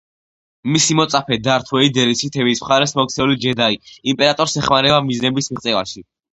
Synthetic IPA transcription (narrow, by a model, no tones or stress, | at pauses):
misimɔt̪sʼapʰɛd̪aɾt̪ʰwɛid̪ɛɾisʰit̪ʰɛvismχaɾɛsmɔk̚t̪sʰɛulid͡ʒɛd̪aiimpʼɛɾat̪ʼɔɾsɛχmaɾɛbamiznɛbismiʁt̪sʼɛva̰ʃi